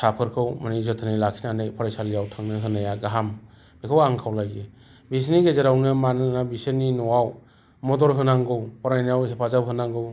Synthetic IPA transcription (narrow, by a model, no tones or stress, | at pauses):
sapʰɯɾkʰɯwmanizɯtʰɯnɯjlakʰinanɯjpʰɔɾajsalijawtʰaŋnɯɦɯnajaɡaɦam | b̥ekʰɯwaŋkʰawlajɡe | bis̬niɡezaɾawnɯmanɯnabisɯninɔwaw | mɔdɔɾɦɯnaŋɡɯwpɔɾajnjawsepʰazawɦɯnaŋɡɯw